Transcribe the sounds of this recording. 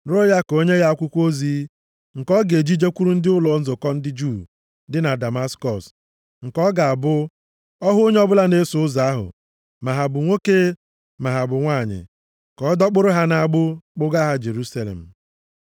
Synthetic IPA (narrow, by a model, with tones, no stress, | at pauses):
ɾo˦ja˦ko˦ɲe˦ɣa˦a˦kʷʊ˦kʷo˦zi˨˦ | ŋ̩˨kɔ˦ɡe˨d͡ʒi˦d͡ʒe˦kʷu˦ɾu˦n̩˦dɪ˦ʊ˦lɔ˨n̩˦zʊ˨kɔ˦n̩˦dɪ˦d͡ʒu˦˨ | dɪ˦na˨da˨ma˦skɔ˨s | ŋ̩˨kɔ˦ɡa˨a˨bʊ˦ | ɔ˦ɦʊ˦o˦ɲ˦ɔ˦bʊ˦la˦ne˦sʊ˦ʊ˦za˨a˦ɦʊ̰˨ | ma˨ɦa˨bʊ˨ŋʷo˦ke˦ | ma˨ɦa˨bʊ˨ŋʷa˦˨ɲɪ̰˨ | kɔ˨˦dɔ˦k͡pʊ˦ɾʊ˦ɦa˦na˨a˨ɡ͡bʊ˦k͡pʊ˦ɡa˦ɦa˦d͡ʒe˨ɾu˦sa˦˨lḛ˨m̩˨